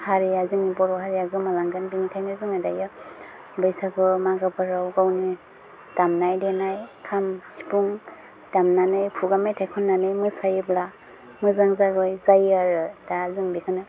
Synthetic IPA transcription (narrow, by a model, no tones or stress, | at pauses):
haɾijazɯŋnibɔɾɔhaɾijaɡɯmalaŋɡanbiŋitʰajnazɯŋadajɯ | bɯjsaɡɯmaɡɯpʰɯɾawɡawni | d̥amnajdenajkʰamsi̥puŋ | d̥amnanɯjpʰuɡamejtʰakʰɔnːanɯjmɯsajɯbla | mɯzaŋzaɡɯjzajaɾɯdazɯŋbikʰɯnɯ